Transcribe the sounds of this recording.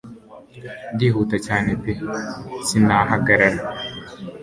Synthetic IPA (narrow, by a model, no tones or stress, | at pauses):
d̪iɦut̪at͡ʃaːnepesinaːɦaɡɐɾaɾa